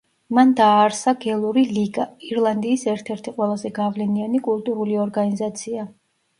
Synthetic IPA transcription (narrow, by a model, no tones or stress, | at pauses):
mand̪aːɾsaɡɛlˠuɾiliɡaiɾlˠand̪iːsɛɾt̪ʰɛɾt̪ʰiqʼwɛlˠazɛɡavlɛnianikʼulˠt̪ʼuɾuliɔɾɡanizat̪sʰia